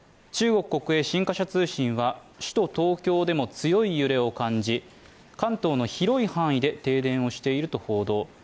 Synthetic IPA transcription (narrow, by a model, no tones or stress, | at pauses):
t͡ɕɨːɡo̞kɯ̟̥ko̞kɯ̟e̞ːɕĩŋkaɕat͡sɨːɕĩɰ̃βa | ɕi̥t̪o̞t̪o̞ːkʲo̞ːd̪e̞mo̞t͡sɨjo̞ijɯ̟ɾe̞o̞kãɲd͡ʑi | kãnt̪o̞ːno̞çiɾo̞ihãɰ̃id̪e̞t̪e̞ːd̪ẽ̞ɰ̃o̞ɕi̥t̪e̞iɾɯ̟t̪o̞ho̞ːd̪o̞ː